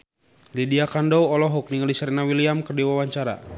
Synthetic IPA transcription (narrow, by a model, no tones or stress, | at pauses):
lidiakandɔwɔlɔɦɔk̚niŋalisaɾinawiliamkərdiwawaɲt͡ʃaɾa̰